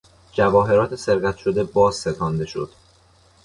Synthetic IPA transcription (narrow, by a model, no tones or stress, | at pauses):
d͡ʒævɒːɦe̞ɾɒːt̪ʰe̞se̞ɾɡæt̪ʰʃo̞d̪e̞bɒːzset̪ʰɒːnd̪e̞ʃo̞̰d̪̥